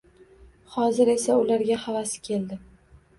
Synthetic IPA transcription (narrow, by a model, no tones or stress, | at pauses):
χɒzɪɾe̞saʊlaɾɡʲahavasɪ̥kʲʰe̞ld̪ɪ